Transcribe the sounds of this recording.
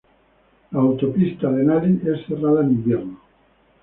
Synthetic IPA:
laːwt̪opist̪aðenaliʔesθeraðaenĩmbjeɾno

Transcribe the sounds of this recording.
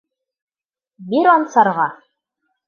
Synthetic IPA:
biɾɒnsɑɾʁɑ

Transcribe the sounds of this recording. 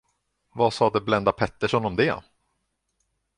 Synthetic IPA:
vasɑːd̪ɛblɛnd̪apʰɛt̪ːəʂɔnɔmd̪ɛ

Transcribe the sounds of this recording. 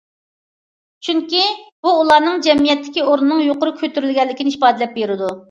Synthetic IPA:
t͡ʃʰyŋkʲib̥uːlˠɑːnɨŋd͡ʒɛmijɛt̪ʰːɪ̥kʲioɾnɨnɨŋjoqʊɾʊkʲʰøt̪yɾylɡʲɛlːɪkʲinɪʃpɑːd̪ɪlɛp̚beɾɪd̪u

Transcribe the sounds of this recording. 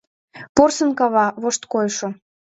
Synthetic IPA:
porsə̆nkɑβɑβoʃt̪kojʃo

